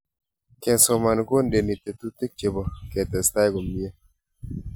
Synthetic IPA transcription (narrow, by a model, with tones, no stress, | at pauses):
kɛ˨nsɔ˨ma˨nɡo˦nde˨ni˨t̪e˨t̪u˦t̪e˦k̚t͡ʃe˨bɔ˨kɛ˨t̪ɛ˨sta˦jɡo˨mi˦e˦